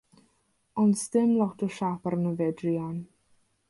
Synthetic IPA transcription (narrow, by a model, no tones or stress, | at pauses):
ɔnsdɪmlˠɔtʰɔʃapaɾənəvɛdrian